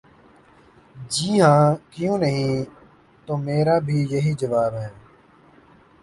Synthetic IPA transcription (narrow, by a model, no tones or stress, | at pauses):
d͡ʒiːɦãːkɪjũːnəɦĩː | t̪oːmeːɾaːbʱiːjəɦiːd͡ʒəʋaːbɦɛ̃ː